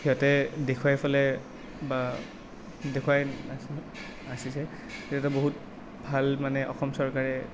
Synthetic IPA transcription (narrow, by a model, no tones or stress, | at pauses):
hiɔtɛdekʰuwajpʰalɛ | ba | dekʰuwajas | asisɛ | hiɔtɛboɦut | bʱalmanɛʔɔ̰xɔmsɔɹkaɹɛ